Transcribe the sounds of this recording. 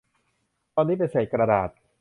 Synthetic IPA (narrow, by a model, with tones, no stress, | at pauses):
t̪ɔː˧nːiː˦˥p̬e˧nseː˨˩kɾa˧da̰ː˨˩t̪̚